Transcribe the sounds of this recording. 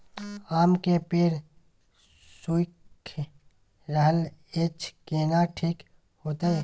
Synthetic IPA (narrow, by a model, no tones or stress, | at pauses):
aːmkepiɾ | suɪkʰ | ɾəɦəleːt͡ʃkeːnaʈʰiːk | hoːt̪ee